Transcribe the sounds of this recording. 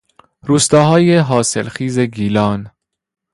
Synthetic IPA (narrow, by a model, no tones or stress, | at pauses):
ɾuːst̪ɒːɦɒːjeɦɒːselxiːze̞ɡiːlɒːn